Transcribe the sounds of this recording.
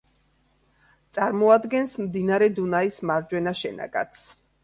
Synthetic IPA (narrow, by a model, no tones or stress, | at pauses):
t̪sʼaɾmɔad̪ɡɛnsmd̪inaɾɛd̪unaismaɾd͡ʒwɛnaʃɛna̰ɡa̰t̪sʰ